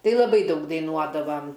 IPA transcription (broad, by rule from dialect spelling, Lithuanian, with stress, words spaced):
ˈtɐɪ lˠɐˈbɐɪ ˈdɐʊk dɐɪˈnuɔdɐʋɐm